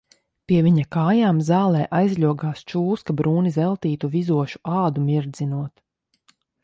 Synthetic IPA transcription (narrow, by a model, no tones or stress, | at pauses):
piɛvʲiɲakaːjaːmzaːlˠɛːʔajzʎʲuɔɡaːst͡ʃuːskabɾuːnizɛlˠt̪iːt̪uvizuɔʃu̥ʔaːd̪umʲiɾd̪zinuɔt̪